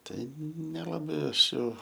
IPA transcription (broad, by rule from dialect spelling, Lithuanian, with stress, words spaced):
ˈtɐɪ nʲɛlˠɐˈbɐɪ ˈɐʃ jɛʊ